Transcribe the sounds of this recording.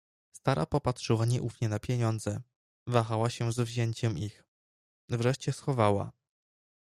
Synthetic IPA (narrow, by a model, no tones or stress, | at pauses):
st̪aɾa̰pɔpatʂɘwaɲɛʔufɲɛnapʲjɛɲɔnd̪zɛ | vaxawaɕɛzvʑɛɲt͡ɕɛmʔix | vɾɛʂt͡ɕɛsxɔvawa̰